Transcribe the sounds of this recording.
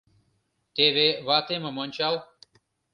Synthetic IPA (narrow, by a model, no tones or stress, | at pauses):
t̪eːʋeːʋaːt̪eːmɐmɐnʲt͡ʃaːl